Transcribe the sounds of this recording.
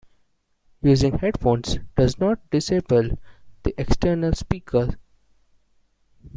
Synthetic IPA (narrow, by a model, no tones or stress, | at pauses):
juːzɪ̃ŋheɖfõːnsɖ̥ʌznɔːʈ̚ɖɪseːpəld̪̥iʔeksʈəɾnəlspiːkʰəɾ